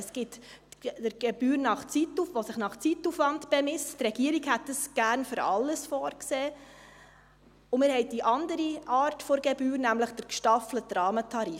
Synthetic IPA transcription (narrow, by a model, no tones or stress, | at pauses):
sɡ̥ɪt̪dəɾɡ̥ɛb̥yːɾnɑχt͡situfʋosɪχnɑχt͡sitːufʋɑndb̥ɛmɪsttrɛɡ̥iəɾiɡhɛtdəsɡ̥æːɾnfʏɾɑ̰lːəsfɔːɾkseː | ʊmɪːɾhɛɪdiʔɑndəɾiʔɑːɾtfoɾɡɛbyːɾnæmləχd̥əɾkʃtɑflətɾɑːmətʰɑɾiː